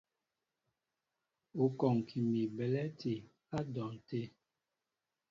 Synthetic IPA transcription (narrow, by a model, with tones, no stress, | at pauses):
u˨kɔ˨ŋ˨kʰi˨mi˨bɛ˨lɛ˦ti˨ | a˦dɔ˨ŋ˨te˦